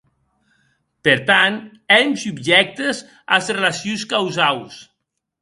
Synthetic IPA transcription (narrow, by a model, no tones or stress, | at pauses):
peɾt̪ant̪ | ɛmsubʒɛk̚t̪ez | a̰zrelasjunskawzaws